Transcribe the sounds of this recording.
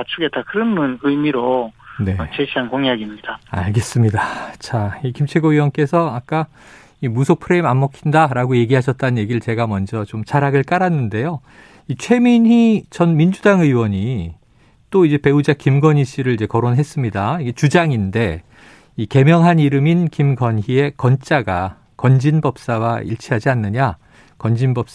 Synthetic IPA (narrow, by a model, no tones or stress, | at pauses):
at͡ɕʰuɡe̞takʰɯɾɯmnɯnɯjmiɾone̞t͡ɕeɕʰiɦankoŋaɡimɲid̥aa̰ɭɡe̞s͈ɯmɲidat͡ɕaikimt͡ɕʰe̞ɡoɥiwʌnk͈e̞sʰʌak͈a | imusʰok̚pʰɯɾe̞imamːʌkʰindaɾaɡoje̞ɡiɦaɕʰʌt̚t͈anɯnje̞ɡiɾɯɭt͡ɕe̞ɡamʌnd͡ʑʌt͡ɕomt͡ɕaɾaɡɯɭk͈aɾanːɯnde̞jo | it͡ɕʰwe̞minɦit͡ɕʌnmind͡ʑudaŋɯwʌɲi | t͈oid͡ʑe̞pe̞ud͡ʑakimɡʌɲiɕ͈iɾɯɭid͡ʑe̞kʌɾonɦe̞s͈ɯmɲidaiɡe̞t͡ɕud͡ʑaŋinde̞ | ike̞mjʌŋɦaniɾɯminkimɡʌnçie̞kʌnt͡ɕ͈aɡa | kʌnd͡ʑinbʌp̚s͈awaḭɭt͡ɕʰiɦad͡ʑianːɯɲa | kʌnd͡ʑinbʌp̚s͈